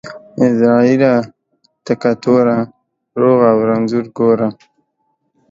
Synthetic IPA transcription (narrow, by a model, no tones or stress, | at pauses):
ɪzɾɑiɾa | t̪akat̪oɾa | ɾoɣawɾanzuɾɡoːɾa